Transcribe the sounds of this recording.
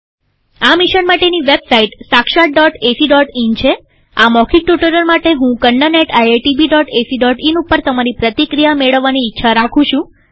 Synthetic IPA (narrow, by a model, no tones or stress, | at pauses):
amiʃənmaʈeniʋebsaiʈsakʃaʈ̚ɖɔʈesiɖɔʈint͡ʃʰe | amɔkʰik̚ʈjuʈəɾəɾmaʈeɦũkəɳɖəneʈajeʈibiɖɔʈesiɖɔʈinupːəɾt̪əmaɾipɾət̪ikɾijameɭəʋːaniːtːʃʰaɾakʰũʃũ